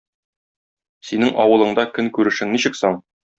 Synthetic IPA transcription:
sinɘŋʔɒwɤ̆lˠɤ̆ɴd̪ɑkɵŋkʉɾɘ̆ʃɘ̆ŋniɕɘ̆ksɒɴ

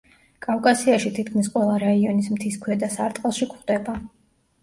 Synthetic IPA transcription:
kʼafkʼasiaʃit̪ʰit̪kʰmisqʼwɛlˠaɾaiɔnismt̪ʰiskʰwɛd̪asaɾt̪ʼqʼlˠʃikʰχd̪ɛba

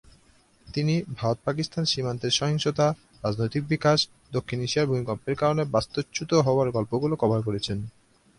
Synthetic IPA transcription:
t̪inibʱaɾot̪̚pakist̪ʰanʃimant̪eɾʃɔɦiŋʃot̪a | ɾad͡ʑnojt̪ik̚bikaʃ | d̪okʰːiniʃiaɾbʱumikɔmpeɾkaɾonebast̪ot͡ɕːut̪oɦɔoaɾɡɔlpoɡulokɔbʱaɾk̬oɾet͡ɕʰen

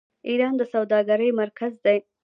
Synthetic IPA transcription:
iɾɑnd̪əsawd̪ɑɡaɾəjmaɾkʰazd̪aj

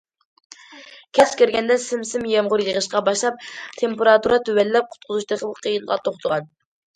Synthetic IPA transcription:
kʲʰɛt͡ʃʰkʲiɾɡʲɛnd̪ɛsɪmsɪmjɛmʁʊɾjəʁəʃqɑbɑʃlˠɑp̚t̪ʰempeɾɑt̪uɾɑt̪ʰywɛlːɛp̚qʰʊ̥t̪̚qʰʊzuʃt̪əχəlˠəqʰːijinʁɑt̪ʰoχt̪ʰəʁɑn

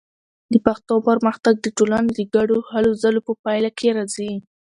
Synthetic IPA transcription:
d̪əpaxt̪opəɾmaxt̪aɡ̚d̪əʈolanod̪əɡaɽohalozalopəpɑjlakʰeɾazi

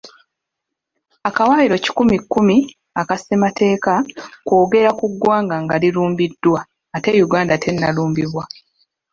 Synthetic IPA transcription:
akawaːiɾo̞ci̥kumikːumi | akasematʰe̞ːkako̞ːɡe̞ɾakuɡwaːŋɡaŋɡaliluːmbidːwaː | te̞juɡaːndatʰe̞nːaluːmbiβwa

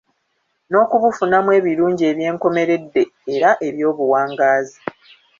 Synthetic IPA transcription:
no̞ːkuβufunamwe̞ːβiɾuːɲɟie̞ːβje̞ːŋko̞me̞ɾe̞dːe̞ːɾaʔe̞βjo̞ːβuwaːŋɡaːzi

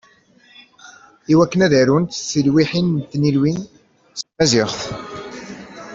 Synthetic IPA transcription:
iwækːənæðæɾunt̪sːəlwiħint̪ːnilwin | smæzɪʁθ

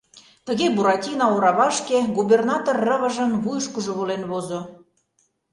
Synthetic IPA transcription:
t̪ə̆ɣebuɾɑtʲinɑoɾɑβɑʃkeɡuβernɑt̪orːə̆βə̆ʒə̆mβujʃkuʒoβolenβozo

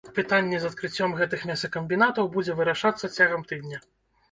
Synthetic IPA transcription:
pɨt̪anʲːɛzɐt̪̚kɾɨt͡sʲːɔmɣɛt̪ɨxmʲɛsɐkɐmʲbʲinat̪ɐwbud͡zʲɛvɨɾaʂat̪sːɐt͡sʲaɣɐmt̪ɨd̪nʲɐ

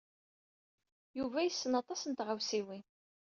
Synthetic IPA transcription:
juvæjəsːənɑt̪ˤɑsənt̪ʁawsiwin

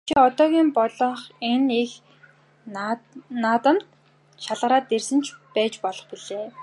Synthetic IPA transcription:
t͡ɕʰiɔt̪ɔːɣʲiːmpɔɮɞ̆ɴχenix | nːaːt̪ə̆mt̪ | ʃaɮʁə̆ɾaːt̪ersɘ̆nt͡ɕʰpæːt͡ɕpɔɮɞ̆χpiɮeː

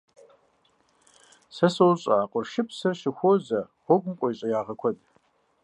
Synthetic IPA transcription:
sɐsowɕʼɐaːqʷʼʊrʃɪpʰsɐrʃɪxʷozɐ | ʁʷɔɡʷʊmkʷʼɔiɕʼɐjaːʁɐkʷʰɔdʼ

